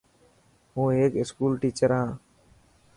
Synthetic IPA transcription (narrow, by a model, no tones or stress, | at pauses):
ɦũːeːkɪskuːlʈiːt͡ʃəɾɦãː